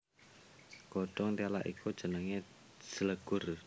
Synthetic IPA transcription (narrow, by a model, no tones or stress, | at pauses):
ɡ̥ɔɖ̥ɔŋt̪iala̰ʔḭkʰud̥ʒ̥ənəŋe | sələɡ̥ʊr